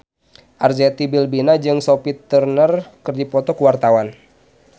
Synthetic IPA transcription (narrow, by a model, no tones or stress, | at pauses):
ʔarzɛt̪ibilbinad͡ʒɨŋsɔpit̪ərnərkɨrdipɔt̪ɔkuwart̪awan